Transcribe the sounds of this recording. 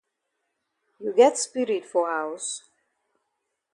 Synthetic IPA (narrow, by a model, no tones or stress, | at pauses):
juɡɛtspɪɾɪtfɔawəs